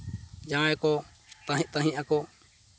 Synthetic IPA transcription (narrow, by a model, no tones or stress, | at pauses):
d͡ʒãɛkɔ | t̪aɦt̪ãɦĩʔakɔ